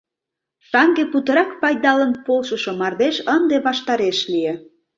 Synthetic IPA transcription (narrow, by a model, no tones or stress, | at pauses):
sɑŋɡeput̪ə̆ɾɑkpɑjd̪ɑlənpolʃəʃomɑrd̪eʃənd̪eβɑʃt̪ɑɾeʃlie